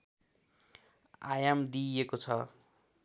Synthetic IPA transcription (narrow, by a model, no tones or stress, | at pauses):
a̰jamd̪iekot͡sʰʌ